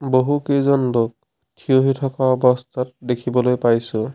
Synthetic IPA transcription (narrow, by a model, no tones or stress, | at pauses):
boɦukezɔnlok̚ | tʰijoɦitʰɔkaɔbɔst̪ʰat̚dekʰibɔlojpajsʊ̃